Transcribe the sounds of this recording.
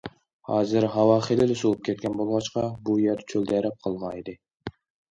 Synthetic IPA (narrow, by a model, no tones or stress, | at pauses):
hɑːzɪɾɦɑwɑːχelɪlɪsulˠup̚kʲʰet̪̚kʲʰɛnbolˠʁɑt͡ʃqɑbujeɾt͡ʃʰøld̪ɛɾɛp̚qʰəlˠmɑjd̪ɨ